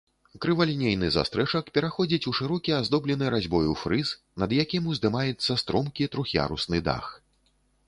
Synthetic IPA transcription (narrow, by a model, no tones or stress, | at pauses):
kɾɨvalʲnʲejnɨza̰st̪ɾɛt͡ʂɐkpʲɛɾaxɔd͡zʲit͡sʲuʂɨɾɔkʲiazd̪ɔblʲɛnɨɾazʲbɔjufɾɨs | nɐd̪jakʲimuzd̪ɨmajɛt̪sːɐst̪ɾɔmkʲit̪ɾuxʲja̰ɾusnɨd̪a̰x